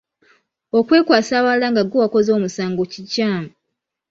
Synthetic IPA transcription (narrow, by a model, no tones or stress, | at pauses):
o̞kwe̞ːkwaːsaːβalaŋɡaɡuwako̞zo̞ːmusaːŋɡocicaːmu